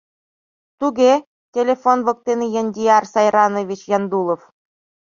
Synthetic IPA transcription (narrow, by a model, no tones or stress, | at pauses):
t̪uɡʲe | tʲelʲefonʋɤ̆k̚t̪ʲenʲijɘ̆nʲdʲiɑrsɑjrɑnɤ̆ʋʲit͡ɕjɑnd̪ulˠŏf